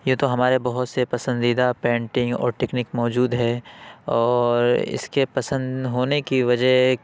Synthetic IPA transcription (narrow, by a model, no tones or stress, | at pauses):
jɐt̪oɦɐmaːɾebɐɦʊt̪sepɐsə̃nd̪iːd̪apɛ̃ːɳʈɪ̃ŋɡɔ̰ːɾʈɛknɪkmɔːd͡ʒuːd̪ɦɛɔːɾɪ̰skepɐsə̃nd̪ɦoːnekiʋɐd͡ʒəɦ